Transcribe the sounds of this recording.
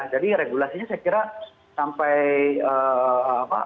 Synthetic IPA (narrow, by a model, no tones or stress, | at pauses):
ahd͡ʒadiɾeɡulasiɲasajakiɾa | sampajəːpa̰